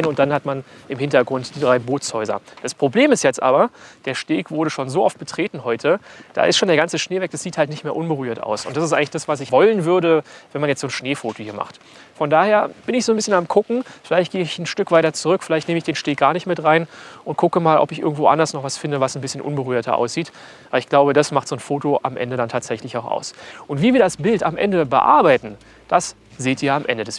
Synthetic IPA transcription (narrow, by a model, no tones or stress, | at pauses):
nʊnt̚d̥anhatmanʔɪmhɪntɐɡʁʊntd̥iːdʁaɪboːt͡shɔʏzɐ̰d̥aspʁ̥obleːmɪstjɛt͡stʔa̰ːbɐd̥eːɐʃteːkv̥ʊɐɾəʃoːnzoːʔɔft̚b̥ətʁ̥eːtn̩hɔʏtʰəd̥a̰ːʔɪ̰stʃoːndeɐɡant͡səʃneːvɛk̚d̥asz̥iːthaltnɪçtmeːɐʔʊnbəʁyːɐta̰ʊsʊntd̥asɪstʔaɪŋlɪçd̥asv̥asɪçvɔlənvʏɐɾəvɛnmanjɛt͡stz̥oːnʃneːfoːtohiːɐma̰χt | fɔndaːheːɐb̥ɪnɪçz̥oːnbɪsçənamkʰʊkŋ̩fɪlaɪçt̚ɡ̥eːɪçn̩ʃtʏkv̥aɪtɐt͡suʁʏkfɪlaɪçtneːməɪçd̥eːnʃteːk̚ɡ̥aːɐnɪçtmɪtʁaɪnʔʊnt̚kʰʊkəmaːlʔɔ̰pɪçʔɪ̰ɐɡŋ̩tv̥oːʔa̰ndɐsnɔχv̥asfɪndəvasn̩bɪsçənʔʊ̰nbəʁyːɐtʰɐ̰ʔa̰ʊsz̥iːt | aɐlɪçɡ̥laʊbədasmaχtz̥oːnfoːtoʔamʔɛ̰ndədantʰaːtz̥ɛçlɪçaʊxa̰ʊsʔʊntv̥iːviːɐdasb̥ɪltamʔɛ̰ndəbə̰ʔa̰ɐbaɪtn̩ | d̥as | zeːtiːɐamʔɛ̰ndədɛs